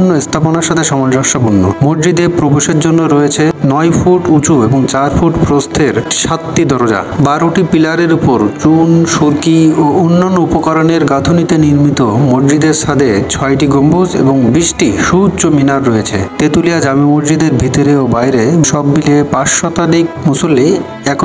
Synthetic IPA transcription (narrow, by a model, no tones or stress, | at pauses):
nːoest̪ʰaponaɾʃat̪ʰeʃɔmold͡ʑɔʃabonːo̰moɾd͡ʑid̪epɾoboʃeɾd͡ʑonːoɾɔjet͡ɕʰenɔjfʰuʈut͡ɕueboŋt͡ɕaɾfʰuʈpɾost̪ʰeɾʃat̪ːid̪ʱɔɾod͡ʑa̰baɾoʈipilaɾeɾupoɾt͡ɕunʃoɾkioonːanːoupokaɾoneɾɡat̪ʰonit̪eniɾmit̪omoɖd͡ʑid̪eɾʃad̪ʱet͡ɕʰɔjʈiɡombud͡ʑḛboŋbiʃʈiʃut͡ɕominaɾːɔjet͡ɕʰḛt̪et̪ulijad͡ʑamimoɾd͡ʑid̪eɾbʱit̪oɾeobajɾeʃɔbːilepaʃʃɔt̪alik̚musolːi | ɛk